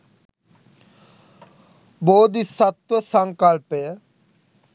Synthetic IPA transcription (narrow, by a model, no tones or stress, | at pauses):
boːd̪isət̪wəsəŋkəlpe